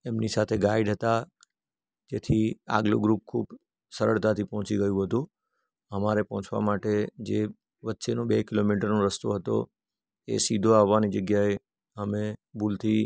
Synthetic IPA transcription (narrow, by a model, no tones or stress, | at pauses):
emnisat̪ʰeɡaiɖɦət̪a | d͡ʒet̪ʰia̰ɡlṵɡɾup̚kʰub | səɾəɭt̪at̪ʰipɔɦɔ̃t͡ʃiɡəjũɦət̪ũ | əmaɾepɔɦɔ̃t͡ʃʰʋa̰maʈed͡ʒe | ʋətːʃenobekilomiʈəɾnoɾəst̪o̰ɦət̪o̰ | ḛsid̪ʱoaʋːanid͡ʒəɡjae | əmebult̪ʰi